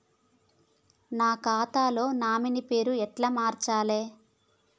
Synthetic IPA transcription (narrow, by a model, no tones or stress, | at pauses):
naːkaːt̪aːlo̞ːnaːminipe̞ːɾuɛʈlamaːɾt͡ʃaːleː